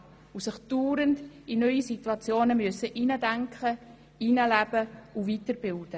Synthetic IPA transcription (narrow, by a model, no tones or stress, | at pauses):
usɪχd̥uːɾəndinœʏisituɑt͡sjoːnəmyəsəʔiːnədæŋkχə | iːnəlæb̥əuvitəɾbɪld̥ə